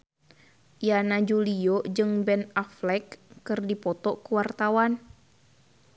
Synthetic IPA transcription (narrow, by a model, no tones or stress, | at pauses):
janad͡ʒuliɔd͡ʒɨŋbɛnaflɛkːɨrdipɔt̪ɔkuwart̪awan